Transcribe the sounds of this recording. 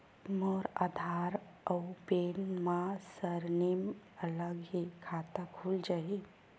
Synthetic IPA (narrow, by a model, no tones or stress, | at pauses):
mɔːɾa̰d̪ʱaːɾ | əwpeːnmãsəɾnimələɡɦikʰaːt̪akʰuld͡ʒaɦi